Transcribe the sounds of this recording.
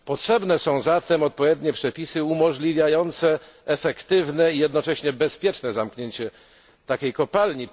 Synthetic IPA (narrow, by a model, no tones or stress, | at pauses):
pɔtʂɛbnɛsɔ̃w̃zat̪ɛmɔt̪̚pɔvʲjed̪ɲɛpʂɛpʲisɘumɔʐlʲivʲjajɔnt̪sɛ | ɛfɛkt̪ɘvnɛijɛd̪nɔt͡ʂɛɕɲɛbɛspʲjɛt͡ʂnɛzamkɲeɲt͡ɕɛ | t̪akʲejkɔpalɲi